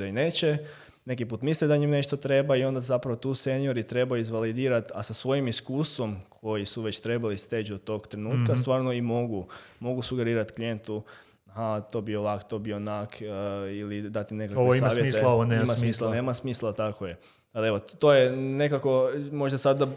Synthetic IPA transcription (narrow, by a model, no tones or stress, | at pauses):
aine̞ːt͡ɕe | ne̞k̬ipuːt̪mislid̪aɲimne̞ʃt̪ot̪ɾe̞baio̞nd̪azapɾaʋo̞t̪uːse̞nijo̞ɾit̪ɾe̞bajuizʋalid̪iːɾat̪a̰sasʋo̞jimiskuːst̪ʋo̞mkʰo̞jisuʋe̞t͡ɕt̪ɾe̞balist̪e̞ːt͡ʃd̪ot̪o̞ːɡt̪ɾenuːt̪kast̪ʋaːɾnoimo̞ɡumo̞ɡusuɡe̞ɾiːɾat̪klijent̪u | ɦat̪o̞ːbio̞ʋakt̪obionakʰilid̪at̪ine̞kakoeaːʋjeeooneemasmiːslaneːmasmiːslˠat̪akoje | ale̞ʋo̞t̪ojenekako̞mo̞ʒd̪asad̪ːa